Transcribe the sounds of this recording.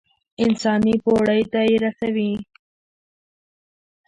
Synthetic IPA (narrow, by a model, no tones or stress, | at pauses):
ɪnsɑnipoɽəjt̪aeɾasawi